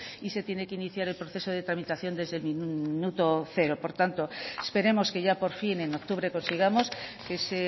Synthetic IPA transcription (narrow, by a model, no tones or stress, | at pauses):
ise̞t̪je̞ne̞keiniθjaɾelpɾoθe̞so̞ð̞e̞t̪ɾamit̪aθjo̞nd̪e̞zðelminnut̪o̞θe̞ɾo̞po̞ɾt̪ant̪o̞espe̞ɾe̞mo̞ske̞ʝapo̞ɾfine̞nok̚t̪uβɾe̞ko̞nsiɣamo̞ske̞se